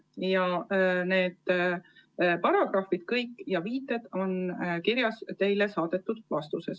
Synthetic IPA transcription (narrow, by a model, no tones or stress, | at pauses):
jɑne̞ːd̪̥ | pɑɾɑɡ̥rɑfid̪̥kɤjkːˑjɑviːt̪ːˑe̞d̪̥o̞nkiɾjɑst̪e̞jle̞sɑːd̪̥e̞t̪ːˑud̪̥vɑst̪use̞s